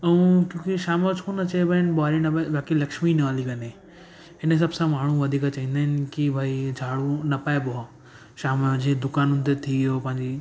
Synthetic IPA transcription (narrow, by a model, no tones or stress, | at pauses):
ɐũkjõːkiʃaːmət͡ʃʰkunɐt͡ɕɐebɐɪnɓaɾinɐbaʋaːkilɐkʃminɐaːlikɐne | ɦɪns̬ɐbsãmaːɳ̤ũʋɐd̪ʱiːkat͡ɕaːɦĩːn̆d̪aːɦɪn̆kibʱaːid͡ʑʱaːɽunɐpaːeboa | ʃaːmd͡ʑed̪ʊkaːnʊnɪ̆t̪et̪ʰioːpɐ̃ɦɪ̃ɲd͡ʑi